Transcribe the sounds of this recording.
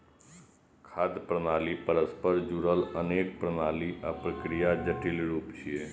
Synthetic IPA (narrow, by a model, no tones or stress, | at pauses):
kʰaːd̪pɾənaːlipəɾəspəɾd͡ʒuɾələneːk̚pɾənaːliʔapɾəkɾijad͡ʒəʈɪlɾuːpt͡ʃʰieː